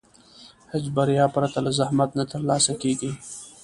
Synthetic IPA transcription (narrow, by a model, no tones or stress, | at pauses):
hed͡ʒbaɾjɑːpɾat̪alazahmat̪nat̪əɾlɑːsakeːɡi